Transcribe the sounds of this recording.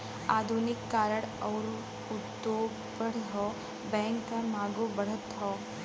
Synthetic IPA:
ad̪ʱunɪkːaːɾəɽəwɾ | ut̪ːo | bəɽɦɔ | bɛ̃ŋkːãmaɡobəɽ̤ət̪ɦɔ

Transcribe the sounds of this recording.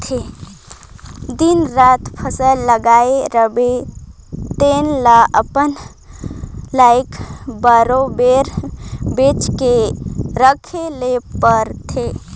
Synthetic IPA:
t̪ʰe | d̪inɾat̪pʰəsəlləɡaeɾəbe | t̪enlaəpən | laɪkbəɾobeɾbet͡ʃkeɾəkʰelepəɾt̪ʰe

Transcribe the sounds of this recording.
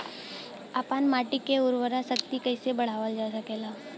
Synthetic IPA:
aːpaːnmaːʈɪkːeʊɾʋəɾasəkt̪ikəɪsebɐɽ̤aːʋəld͡ʒaːsəkelaː

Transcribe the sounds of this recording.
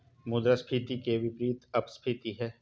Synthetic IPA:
mʊd̪ɾaspʰiːt̪ikeʋɪpɾiːt̪ɐpspʰiːt̪iɦɛː

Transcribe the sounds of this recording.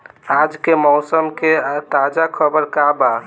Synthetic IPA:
ad͡ʒkemɔʊsəmket̪ad͡ʒakʰəbəɾkaba

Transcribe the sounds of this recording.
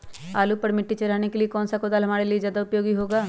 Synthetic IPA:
aːlupɐɾmɪʈːit͡ʃɐɾaːnekeliekɔːnsakoːd̪aːlɦɐmaːɾeliezjaːd̪aʊpjoːɡiɦoːɡaː

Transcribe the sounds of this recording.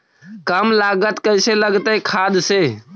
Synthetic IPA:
kəmlaɡət̪kəjseləɡt̪əjkʰad̪se

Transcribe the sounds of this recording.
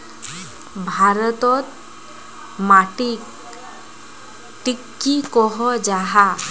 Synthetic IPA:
bʱaɾɔt̪ɔt̪ | maʈik | ʈikːikɔɦɔd͡ʑaɦa

